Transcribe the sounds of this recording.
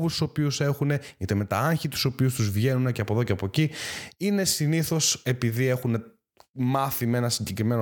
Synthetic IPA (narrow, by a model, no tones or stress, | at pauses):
vust̪u̥so̞piuse̞xune̞it̪eme̞t̪ɐ̰ɐɲçit̪u̥so̞piust̪uzvʝe̞nuneceɐpo̞ðoceɐpo̞ciine̞siniθo̞se̞piðie̞xune̞ | mɐθime̞nɐsiɲɟe̞kɾime̞no